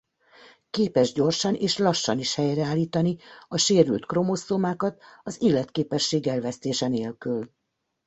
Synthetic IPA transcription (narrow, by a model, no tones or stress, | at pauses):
keːpɛʒɟo̞rʃɒneːʃlɒʃːɒniʃhɛjrɛaːlːiːt̪ɒniɒʃeːɾylt̪kro̞mosoːmaːkɒt̪ɒziːlːɛt̪keːpɛʃːeːɡɛlvɛst̪eːʃɛneːlkyl